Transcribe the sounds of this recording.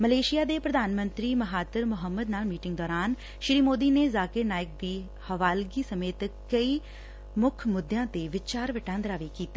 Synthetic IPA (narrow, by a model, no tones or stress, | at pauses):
məleːʃijaːd̪eːpɾəd̪ʱaːnmə̃nt̪ɾiːməɦaːt̪əɾmʊɦəmːəd̪naːlmiːʈɪ̃ŋɡd̪ɔːɾaːn | ʃɪɾiːmoːd̪iːneːzaːkɪɾnaːjɪk̚d̪iː | həʋaːlɡiːsəmeːt̪kəiː | mʊkʰmʊd̪ːjãːt̪eːʋɪt͡ʃaːɾʋɪʈãːnd̪ɾaːʋikiːt̪a